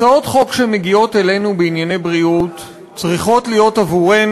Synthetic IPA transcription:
ao̞tχo̞kʃeme̞ɡio̞tele̞nubeinjane̞jbʁiut | t͡sʁiχo̞tlijo̞tavuʁen

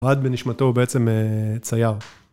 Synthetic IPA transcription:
ad̪beniʃmat̪o̞ubeet͡se̞met͡sajaʁ

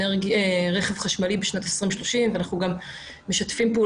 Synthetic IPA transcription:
eʁɡieʁeχe̞vχaʃmalibeʃnat̪esʁimeʃloʃimveanaχuɡamː | e̞ʃatfimpeuː

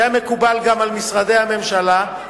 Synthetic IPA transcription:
ame̞kubalɡamalmisʁad̪e̞hame̞mʃala

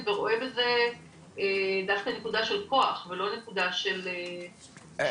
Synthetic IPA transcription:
veʁo̞ʔebeze | ed̪afkane̞kud̪aʃe̞lko̞aχvelo̞ne̞kud̪aʃele

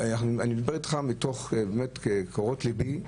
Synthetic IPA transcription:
anaχnuaniid̪beitχamitoχbemetkekoʁotlibi

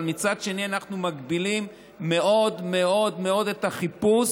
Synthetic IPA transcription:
lmit͡sad̪ʃe̞nianaχnumaɡbilimː | e̞ʔo̞d̪me̞o̞d̪me̞o̞detaχipus

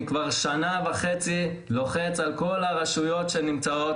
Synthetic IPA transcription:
kvaʁʃanavaχet͡si | lo̞χet͡salko̞laʁaʃujo̞tʃenimt͡sao̞t

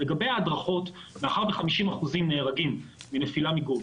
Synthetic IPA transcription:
leɡabe̞jaːdʁaχo̞tmeaχaʁbeχamiʃimaχuzimne̞ːʁaɡimːinefilamiɡo

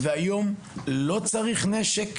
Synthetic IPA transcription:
veajo̞m | lo̞t͡saʁiχneʃek

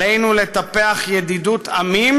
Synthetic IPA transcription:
ejnule̞t̪apeaχjed̪idut̪ʰamim

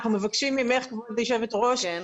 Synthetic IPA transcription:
χnumevakʃimimeχkvodljʃevetʁoʃ

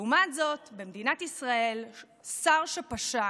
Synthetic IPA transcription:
umatzo̞tbemd̪inatisʁae̞l | saʁʃapaʃa

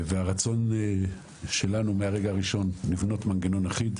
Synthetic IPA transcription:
veaʁat͡so̞n | ʃe̞lanumeaʁeɡaːʁiʃo̞nːivno̞tmanɡeno̞naχid̪

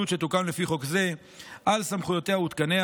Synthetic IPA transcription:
ut̪ʃet̪ukamlefiχo̞kze̞ | ʔalsamχujo̞t̪eaut̪kane̞a

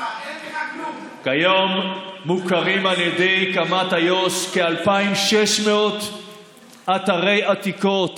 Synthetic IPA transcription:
kajomːukaʁimaljed̪ejkamat̪hajo̞skealpaimʃeʃmeot̪ | at̪aʁejat̪iko̞t̪

